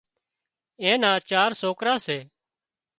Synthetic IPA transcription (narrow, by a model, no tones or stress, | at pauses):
ẽːnãːt͡ʃaːɾsoːkɾaːseː